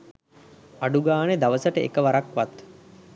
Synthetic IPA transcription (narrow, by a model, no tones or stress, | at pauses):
aɖuɡaːned̪aʋəsəʈəʔḛkəʋaɾakʋat̪